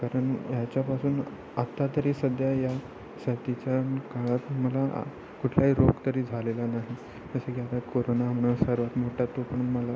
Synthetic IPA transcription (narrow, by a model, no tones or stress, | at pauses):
kaɾəɳjat͡ɕjapasuːn | at̪ːat̪əɾiːsəd̪ʱjaja | sət̪it͡ɕjankaɭat̪məla̰ | kuʈʰlaɦiːɾoɡt̪əɾiːd͡zʱalelanaɦi | d͡zəsəkiat̪akoɾonam̤ɳasəɾʋat̪moʈʰjat̪ːopəɳunməla